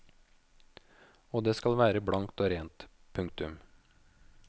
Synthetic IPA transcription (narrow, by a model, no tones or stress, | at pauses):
oːd̪eːskɑlʋæːɾəbɽɑŋt̪oːɾeːnt̪ | pʰʉŋkt̪ʉm